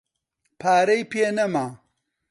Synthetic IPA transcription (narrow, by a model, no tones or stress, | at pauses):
pʰaːɾɐjpeːnɐmaː